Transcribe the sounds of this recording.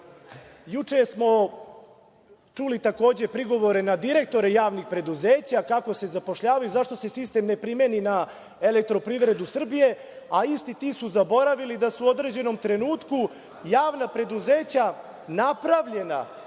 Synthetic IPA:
jut͡ʂesmo̞ | t͡ʂulit̪ako̞ːd͡ʑe̞pɾiɡo̞ʋo̞ɾe̞nad̪iɾe̞k̚t̪o̞ɾejaːʋnixpɾe̞d̪uzeːt͡ɕakako̞se̞zapo̞ʃʎaːʋajuzaʃt̪o̞se̞sist̪emne̞pɾimenina | elek̚t̪ɾo̞pɾiʋɾe̞d̪usr̩bije̞ | aist̪it̪iːsuzabo̞ɾaʋilid̪asuo̞d̪ɾed͡ʑe̞no̞mt̪ɾe̞nuːt̪ku | jaːʋnapɾe̞d̪uzeːt͡ɕa | napɾaʋʎe̞na̰

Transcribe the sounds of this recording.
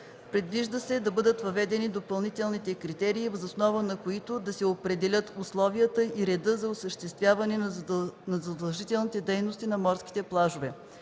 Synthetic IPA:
pɾid̪viʒd̪əsɛd̪ɐbɤd̪ət̪vɐvɛd̪ɛnid̪opɐlˠnit̪ɛlˠnit̪ɛkɾit̪ɛɾiːvəzosnɔvənɐkoit̪od̪ɐsɛopɾɛd̪ɛlʲət̪ʊslˠɔviət̪əiɾɛd̪ɤzɐʊsəʃt̪ɛst̪vʲjavɐnɛnɐzɐd̪ɐlˠʒit̪ɛlˠnit̪ɛd̪ɛjnʊst̪inɐmɔɾskʲi̥t̪ɛplˠaʒovɛ

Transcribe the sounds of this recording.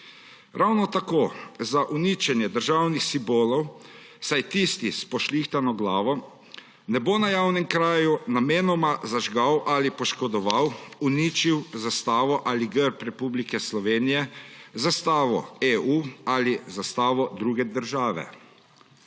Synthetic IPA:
ɾʔawnɔt̪akoːzaʔuniːt͡ʃɛnjɛd̪əɾʒawnixsimboːlɔw | sajt̪ist̪ispɔʃlixt̪anɔɡlaːʋɔ | nɛbonajawnɛmkɾaːjunameːnɔmazaʒɡawʔalipɔʃkɔd̪ɔʋawunit͡ʃiwzast̪aːʋɔʔaliɡəɾpɾɛpublikɛslɔʋeːnijɛzast̪aːʋɔ̰eualizast̪aːʋɔd̪ɾuːɡɛd̪əɾʒaːʋɛ̰

